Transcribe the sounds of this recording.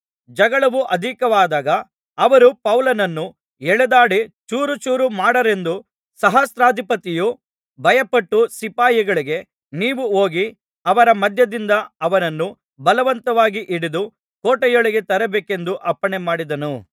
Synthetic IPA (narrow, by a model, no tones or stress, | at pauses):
d͡ʒɐɡɐɭɐʋuʔɐd̪ʱikɐʋaːd̪aːɡɐː | ʋɐɾupɐwlɐnɐnːu | ɛɭɛd̪aːɽit͡ʃuːɾut͡ʃuːɾumaːɽɐɾe̞nd̪u | sɐɦɐsɾaːd̪ʱipɐt̪iju | bʱɐjɐpɐʈːusipaːjiɡɐɭiɡe̞ | niːʋuoːɡi | ɐʋɐɾɐmɐd̪ʱjɐd̪ind̪ɐɐʋɐnɐnːu | bɐlɐʋɐnt̪ɐʋaːɡiʔiɽid̪u | koːʈɐjoɭiɡe̞t̪ɐɾɛbeːke̞nd̪uʔɐpːɐɳemaːɽid̪ɐnu